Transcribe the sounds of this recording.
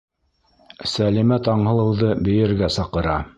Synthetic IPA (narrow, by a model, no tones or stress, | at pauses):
sælimæt̪ɑɴɦɤ̆lˠɤ̆wðɤbɘ̆jɘ̆ɾɡæsɑqɤ̆ɾɑ